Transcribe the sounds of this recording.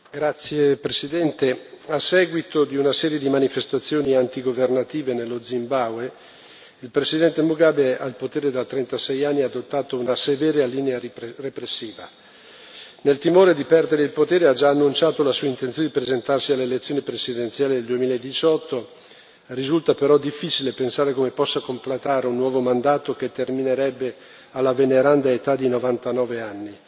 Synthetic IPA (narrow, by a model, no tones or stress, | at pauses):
ɡɾat̪sːjepɾesid̪ɛnt̪easːɛːɡwit̪od̪iunasɛːɾjed̪imanifest̪at̪sːjoːniant̪iɡovernat̪iːvenelːod̪zimbawe | ilpɾesid̪ɛnt̪emuɡabealpot̪eːɾed̪at̪ɾent̪asɛjanːiaːd̪ot̪ːaːt̪ounasevɛːɾealiːnearepɾesːiːva̰ | nelt̪imoːɾed̪ipɛrd̪eɾeilpot̪eːɾead͡ʒaːnːunt͡ʃaːt̪olasuːaint̪ent̪joned̪ipɾezent̪arsialːelet̪sːjoːnipɾesid̪ent̪sjaːled̪eld̪uemiːlaed̪it͡ʃɔt̪ːo | rizult̪apeɾɔd̪ifːit͡ʃilepensaːɾekomepɔsːakomplet̪aːɾeunːwɔːvomand̪aːt̪ok̟et̪ːermineɾɛbːe | alːaveneɾand̪aet̪ad̪inovant̪anɔːveanːi